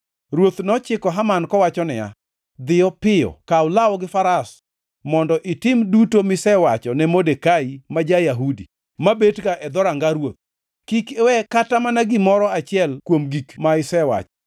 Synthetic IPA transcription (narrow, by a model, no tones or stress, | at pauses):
ɾwot̪nɔt͡ʃɪkɔɦamankɔwat͡ʃɔnɪja̰ | d̪ɪjɔpɪjɔ̰kaʊlawɔɡɪfaɾas | mɔndɔʔɪtɪmdutomɪsɛwat͡ʃɔnɛmodekaimad͡ʒajaɦudi | mabetkaʔɛd̪ɔɾaŋɡaɾwot̪̚ | kikɛwɛkatamanaɡɪmɔɾɔat͡ʃɪɛlkwomɡikmaɪsɛwa̰t͡ʃɔ̥